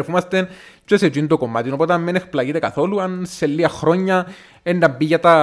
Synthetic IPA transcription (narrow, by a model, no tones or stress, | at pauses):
ɾfumɐst̪en | t͡ʃeset͡ʃint̪okomːat̪inopot̪ɐmminexplaɣit̪ekaθo̞luɐnselːiɐxɾo̞ɲːɐ | enːɐmbiʝat̪ɐ